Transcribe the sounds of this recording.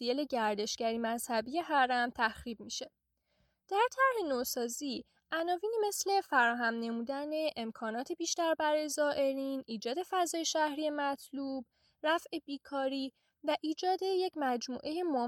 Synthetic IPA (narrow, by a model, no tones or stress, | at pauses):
iele̞ɟæɾd̪e̞ʃɡ̥æɾiːmæzhæbije̞ɦæɾæmt̪ʰæxɾiːb̚miʃe̞ | d̪̥æɾt̪ʰæɾhe̞nosɒːziː | ʔænɒːviːniːme̞sle̞fæɾɒːɦæmne̞muːd̪æne̞ʔemkʰɒːnɒːt̪ʰe̞biːʃt̪æɾbæɾɒːjezɒːʔe̞ɾiːnʔiːd͡ʒɒːd̪e̞fæzɒːje̞ʃæhɾiːje̞mæt̪ʰluːb̥̚ | ɾæfʔe̞biːkʰɒːɾiː | væʔiːd͡ʒɒːd̪e̞je̞cʰmæd͡ʒmṵːʔe̞je̞mo